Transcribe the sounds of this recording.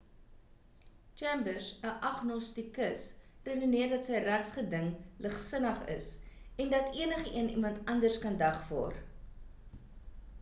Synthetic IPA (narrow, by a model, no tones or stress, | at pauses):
t͡ʃɛmbərsəʔɐχnɔstikəsredoniərdɐtsəjræχsχədəŋləχsənəχə̰sɛndɐtiənəχəʔiənimɐntɐndərskɐndɐχvɔ̰ːr